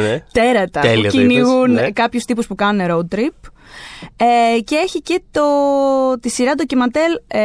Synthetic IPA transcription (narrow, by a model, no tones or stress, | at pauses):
t̪eɾɐt̪ɐeciniɣunkɐpçust̪ipuspukɐnuneɾot̪ɾip | ece̞e̞çice̞t̪ot̪isiɾɐt̪̬ocimɐt̪e̞l